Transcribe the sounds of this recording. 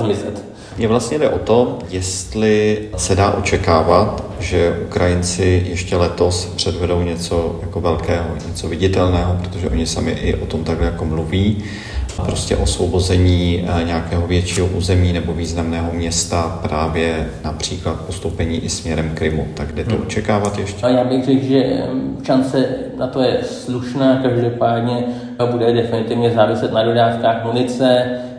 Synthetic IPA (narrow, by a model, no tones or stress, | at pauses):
mɪzɛt̪ | mɲɛvlast̪ɲɛdɛʔo̞t̪o̞jɛst̪lɪsɛdaːʔo̞t͡ʃɛkaːvat̪ʒɛʔukɾajɪnt͡sɪjɛʃcɛlɛt̪o̞spr̝̥ɛdvɛdo̞wɲɛt͡so̞jako̞vɛlkɛːɦo̰ɲɛt͡so̞vɪɟɪt̪ɛlnɛːɦo̞pɾot̪o̞ʒɛʔo̞ɲɪsamɪ̰ʔɪ̰ʔo̞t̪o̞mt̪aɡɦlɛjako̞mluviː | pɾo̞scɛ̰ʔo̞svo̞bo̞zɛɲiːɲɛakɛːɦovjɛt͡ʃiːɦoʔuːzɛmiːnɛbo̞viːznamnɛːɦo̞mɲɛst̪apɾaːvjɛnapr̝̥iːklat̪̚post̪owpɛɲiːʔɪsmɲɛɾɛmkɾɪmut̪aɡdɛt̪oʔot͡ʃɛkaːvat̪jɛʃcɛjaːbɪɣr̝ɛkʒɛʃant͡sɛnat̪o̞jɛsluʃnaːkaʒdo̞paːdɲɛ | budɛdɛfɪnɪt̪ɪvɲɛzaːvɪsɛt̪nado̞daːfkaːxmunɪt͡sɛ